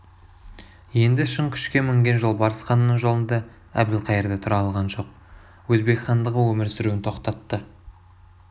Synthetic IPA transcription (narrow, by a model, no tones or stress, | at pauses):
je̞nd̪ɪʃəŋkʲʰʏ̥ʃkʲe̞mʏŋɡʲe̞nʒolˠbɑɾəsχɑnːəɴʒo̞lˠənd̪ɑ | æ̰bd̪ɪlqʰɑjəɾd̪ɑt̪ʰʊɾɑlˠʁɑnʒo̞q̚ | wɵzbe̞ksɑnd̪əʁəwɵmɪɾsɪɾuwɪnt̪ʰo̞qt̪ɑt̪ːə